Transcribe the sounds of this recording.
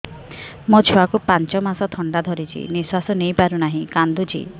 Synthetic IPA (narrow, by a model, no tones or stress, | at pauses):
mɔt͡ʃʰuakupant͡ʃɔmasɔt̪ʰɔɳɖad̪ʱɔɾit͡ʃʰḭniswasɔnejpaɾunaɦĩkand̪ud͡ʒʰḭ